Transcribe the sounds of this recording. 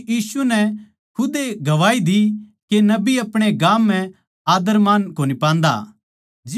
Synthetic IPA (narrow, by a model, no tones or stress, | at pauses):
jiːsunɛ | kʰʊd̪eɡɐʋaːid̪ikenɐbiɐpɽ̃eɡãːmːɛ̃ | aːd̪əɾmaːnkoːnipãːnd̪a̰ | d͡ʒɪ